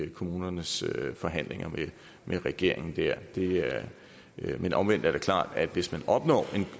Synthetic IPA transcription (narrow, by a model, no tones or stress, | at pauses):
kʰo̝muːnɐnəsfɒ̽ɦæn̰le̝ŋɐme | mʔeʁɛɡ̥e̝ɐ̰e̝ŋn̩d̥æɐ̰d̥e̝æɐ | menʔɒ̽mʋen̰d̥æɐɾe̝kʰlɑ̰̈ːd̥æd̥ʋe̝smænɒ̽b̥nɒ̰ːe̝n